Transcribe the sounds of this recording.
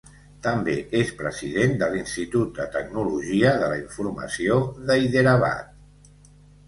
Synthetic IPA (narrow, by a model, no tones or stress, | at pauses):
t̪əmbeespɾəziðend̪əlinst̪it̪ut̪̚d̪ət̪əɡ̚nuluʒiəðələiɱfuɾmə̰sioðəiðəɾəβa̰t̪̚